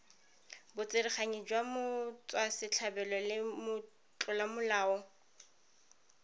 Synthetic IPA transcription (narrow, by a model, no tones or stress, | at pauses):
bʊt͡sʼɪrɪχaɲɪd͡ʒwamʊt͡sʼwasɪt͡ɬʰabɛlɔlɪmʊ | t͡ɬʼɔlamʊlaːɔ